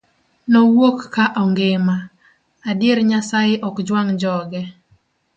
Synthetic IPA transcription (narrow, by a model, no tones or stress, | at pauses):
nɔwokːaʔɔŋɡɪma | adɪeɾɲasajɪʔɔkd͡ʒwaŋd͡ʒɔɡɛ